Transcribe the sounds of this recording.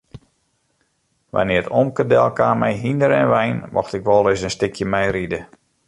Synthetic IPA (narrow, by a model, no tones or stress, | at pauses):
ʋa̰nɪːtɔmkədɛlˠkaːmɛjɦindəɾɛ̰nʋɛjnmʔɔ̰xtɪkʋɔlˠɪsənstɪkʰjəmɛjridə